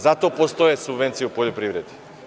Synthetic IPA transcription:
zat̪oapost̪oɛsubvɛnt̪sijupɔʎopɾivɾɛd̪i̥

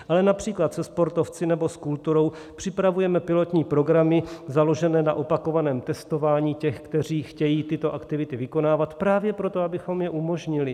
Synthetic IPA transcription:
ʔalɛnapr̝̥iːklat̪sɛspo̞ɾt̪o̞ft͡sɪnɛbo̞skult̪uɾo̞w | pr̥ɪpɾavujɛmɛpɪlo̞t̪ɲiːpɾo̞ɡɾamɪzalo̞ʒɛnɛːna̰ʔo̞pakovanɛːmt̪ɛst̪o̞vaːɲiːcɛxkt̪ɛr̝iːxcɛjiːt̪ɪt̪o̞ʔakt̪ɪvɪt̪ɪvɪko̞naːvat̪pɾaːvjɛpɾot̪o̞abɪxo̞mjɛʔumo̞ʒɲɪlɪ

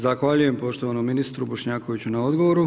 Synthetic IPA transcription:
zaxʋaʎuje̞mpo̞ʃt̪oʋanomːinist̪ɾuboʃɲaːko̞ʋit͡ɕunao̞d̪ɡo̞ʋoɾu

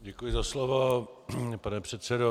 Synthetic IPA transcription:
ɟɛkujɪzaslovo | panɛpr̝̥ɛt̪sɛdo

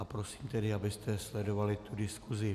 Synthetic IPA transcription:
apɾo̞siːmt̪ɛdɪabɪst̪ɛslɛdo̞valɪt̪udɪskuzɪ

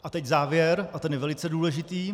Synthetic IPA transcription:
ʔat̪ɛczaːvjɛɾʔat̪ɛnjɛvɛlɪt͡sɛduːlɛʒɪt̪iː

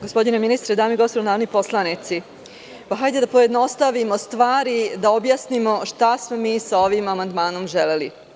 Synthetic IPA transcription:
ɡospo̞d̪ineminist̪ɾed̪aːmiɡospod̪onaːʋnipo̞slˠanit̪si | paxajd̪e̞d̪apojed̪no̞st̪aʋimo̞st̪ʋaːɾid̪ao̞bjaːsnimo̞ʃt̪asmo̞miːsao̞ʋimamand̪maːno̞mʒelelḭ

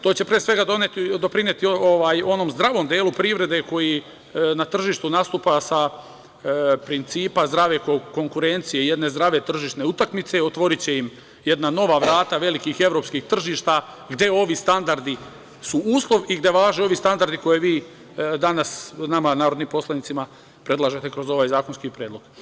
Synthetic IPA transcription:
t̪o̞ːt͡ɕe̞pɾesʋe̞ɡad̪o̞net̪id̪o̞pɾinjet̪ioʋaːjo̞no̞mzd̪ɾaʋo̞md̪eːlupɾiʋɾe̞d̪e̞ko̞ji | nat̪r̩ʒiːʃt̪unast̪uːpasa | pɾint̪siːpazd̪ɾaʋe̞koko̞ŋkuɾe̞nt̪sije̞ije̞d̪ne̞zd̪ɾaʋe̞t̪r̩ʒiʃt̪ne̞ut̪akmit̪seot̪ʋo̞ɾit͡ɕe̞im | je̞d̪nano̞ʋaʋɾaːt̪aʋe̞likixe̞ʋɾo̞ːpskixt̪r̩ʒiːʃt̪a | ɡd̪je̞o̞ʋist̪and̪aɾd̪i | suuːslˠo̞ʋiɡd̪je̞ʋaːʒeo̞ʋist̪and̪aɾd̪iko̞jeʋiː | d̪anasnamanaːɾod̪nimpo̞slanit̪ima | pɾe̞d̪lˠaʒe̞t̪e̞kɾo̞zo̞ʋaːjzaːkonskipɾjed̪lo̞ɡ̥

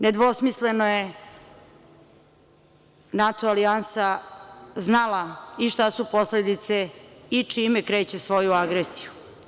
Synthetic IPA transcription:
ned̪ʋo̞smislenoje̞ | nat̪oaliansa | znalaiʃt̪asupo̞sled̪it̪seit͡ʂimekɾe̞ːt͡ɕe̞sʋo̞juaɡɾesiju̥

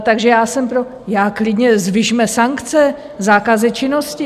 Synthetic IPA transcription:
t̪aɡʒɛjaːsɛmpɾo | jaːklɪdɲɛzvɪʒmɛsaŋkt͡sɛ | zaːkazɪt͡ʃɪno̞scɪ

